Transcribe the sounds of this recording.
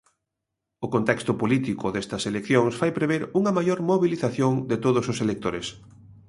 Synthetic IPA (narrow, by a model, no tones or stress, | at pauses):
ʊkont̪ɛkst̪ʊpolit̪ikʊðest̪ɐselekθjoŋsfajpɾeβeɾuŋɐmajoɾmoβiliθaθjoŋd̪et̪oð̞ʊsʊselek̚t̪oɾes